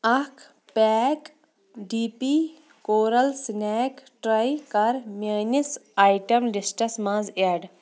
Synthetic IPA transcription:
ɐkʰ | pɛːk | ɖipi | koːɾɐlsnɛːkʈɾɐjkɐɾmeːnisaːjʈɐmlisʈɐsmãːzeːɖ

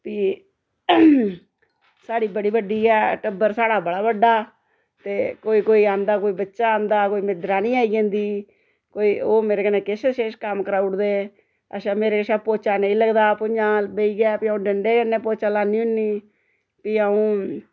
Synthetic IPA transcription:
piː | saːɽiːbəɽiːbəɖiːɛːʈəbəɾsaːɽaːbəɽaːbəɖːaː | t̪eːkoːiːkoːiːãːnd̪aːkoːiːbətːʃaːãːnd̪aːkoːiːmɪd̪ɾaːnĩːaːiːɡãːnd̪iː | koːiːoːmeːɾeːkənẽːkɪseʃeːʃkəmkəɾaːʊʈd̪eː | ə̰ʃaːmeːɾeːkʃãːpoːt͡ʃaːnə̃ĩːləɡd̪aːpʊɲãːbeiːɡɛːpiːaũːɖəɳɖeːkənːeːpoːt͡ʃaːlaːnĩːʊnːiː | piːəũː

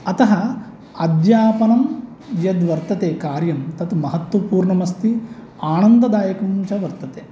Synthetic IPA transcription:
ɐt̪ɐɦɐ | ɐd̪jaːpɐnɐm | jɐd̪ʋɐɾt̪ɐt̪eːkaːɾjɐmt̪ɐt̪mɐɦɐt̪wɐpuːɾɳɐmɐst̪i | aːnɐnd̪ɐd̪aːjɐkɐmt͡ʃɐʋɐɾt̪ɐt̪eː

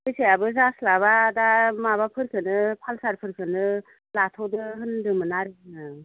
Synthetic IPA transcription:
bɯseabɯzaslaβadamabapʰɯɾkʰɯnɯpʰalsaɾpʰɯɾkʰɯnɯ | latʰɔdɯɦɯndɯmɯnaɾɯɯ

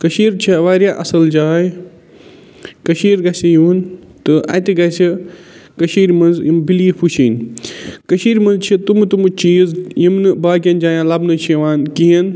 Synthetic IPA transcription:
kɐʃiːɾt͡ʃʰiʋaːɾjaːʔɐsɐld͡ʒaːj | kɐʃiːɾɡɐsijuːn | t̪ɨʔɐ̰t̪iɡɐsikɐʃiːɾmɐnzjimbiliːpʰut͡ʃʰinkɐʃiːɾmɐnzt͡ʃʰit̪umt̪umut͡ʃiːzjimnɨbaːk̬ʲjɐnd͡ʒaːjãːlɐbnɨt͡ʃʰiʋaːnkiɦɐn

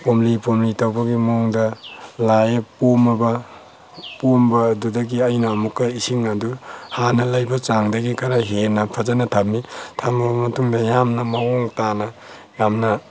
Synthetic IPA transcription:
pomlipomlitawbɐɡimoŋdalajepomabɐ | pombadudaɡiajnaːmukːaisiŋaduhanɐlajbɐt͡ʃaŋdaɡikaɾaɦenɐpʰazanɐtʰap̚mitʰamabɐmɐtuŋdɐjamnɐmaɔŋtanɐjamna

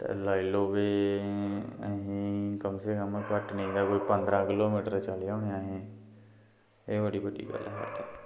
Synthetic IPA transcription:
t̪ḛːlaːiloːʋeː | əɦĩːkəmseːkəmkəʈnəĩːɡ̪aːkoːiːpə̃nd̪ɾãːkɪloːmiːʈəɾt͡ʃaːleoʊːneaːɦẽː | eːbəɽiːbəɖḭːɡə̰lɛɦə̰ɾt̪ʰək

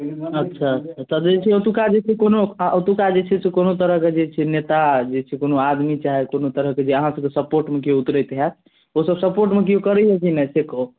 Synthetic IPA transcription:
ət̪ːʃʰaətːt͡ʃʰat̪ɔd͡ʒet͡ʃʰɛot̪ukad͡ʒet͡ʃʰɛkonoot̪ukad͡ʒet͡ʃʰɛsekonot̪əɾəɦked͡ʒet͡ʃʰɛnet̪ad͡ʒet͡ʃʰɛkonoad̪mit͡ʃaɦɛkonot̪əɾəɦked͡ʒeəɦãsəb̚kesəpoɾʈmekiout̪ɾəjt̪ɦɛt̪ | osəbsəpoɾʈmek̬ijokəɾɛɦɛt͡ʃʰinɛseko

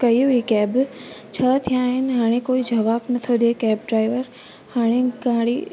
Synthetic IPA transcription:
kɐiikɛːbt͡ɕʰət̪ʰijaːɦɪnɪɦaːɽ̃ẽkoːid͡ʒɐʋaːbnɐt̪ʰoɗekɛːbɖɾaːɪʋəɾ | haːɽ̃eɡãːɽḭ

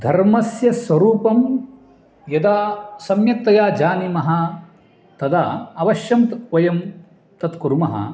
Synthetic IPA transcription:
d̪ʱɐɾmɐsjɐsʋɐɾuːpɐm | jɐd̪aːsɐmjɐk̚t̪ɐjaːd͡ʒaːnimɐɦɐ | t̪ɐd̪aːɐʋɐʃjɐmt̪ʋɐjɐm | t̪ɐt̪kuɾmɐɦɐ̰

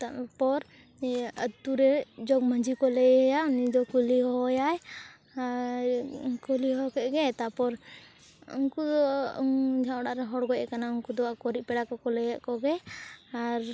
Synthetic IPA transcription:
t̪apɔɾ | ət̪ːuɾɛd͡ʒɔɡ̚məɲd͡ʒikɔlɛjjaunid̪ɔkuliɦɔjaj | kuliɦɔkɛʔ̚ɡɛt̪apɔɾ | ṵŋkud̪ɔ | d͡ʒʱãɽaʔɾɛɦɔɽɡɔjɛkanauŋkud̪ɔwakɔɾipɛɽakɔkɔlɛjaʔkɔɡɛaɾ

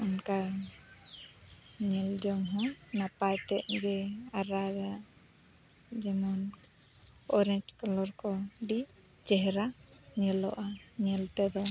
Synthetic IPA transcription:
ɔnka | ɲɛld͡ʒɔŋɦɔ̃napajt̪ɛʔ̚ɡɛaɾaɡa | d͡ʒɛmɔn | ɔɾɛɲd͡ʒkɔlɔɾkɔɖi | t͡ʃɛɦɛɾaɲɛlɔ̰ʔaɲɛlt̪ɛd̪ɔ

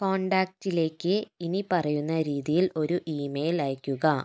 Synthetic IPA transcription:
ko̞ːɳɖaːk̚ʈile̞ːkːɨinipɐrɐjunːɐɾiːðijilo̞ɾuʔiːmejlaːjkʲːuɣɐ

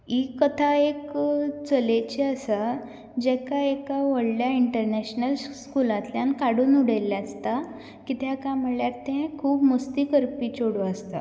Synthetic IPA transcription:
ikət̪ʰaekt͡səlet͡ɕeəsa | d͡ʑɛkaekaʋəɽljaiɳʈəɾneɕnəlskulãt̪ljankaɽuːnuɽəjlːjast̪a | kit̪ʰjakãm̤əɭjaɾt̪ẽkʰuːpməst̪iːkəɾpiːt͡ɕoɽoast̪a̰

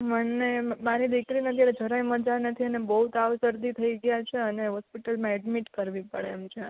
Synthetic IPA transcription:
mənːemaɾid̪ikɾinət̪ʰjaɾed͡ʒʱəɾaiməɾd͡ʒanət̪ʰiənebəɦut̪aʋsəɾd̪it̪ʰəiɡəjat͡ʃʰeəneɦɔspiʈəlmãɛɖmiʈkəɾʋipəɭeːmt͡ʃʰe

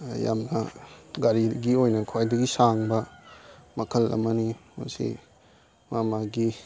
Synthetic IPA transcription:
ja̰mnɐɡaɾiɡiojnɐkʰwajdɐɡisaŋbɐ | mɐkʰɐlɐ̰mɐnimɐ̰sḭ | mamaɡi

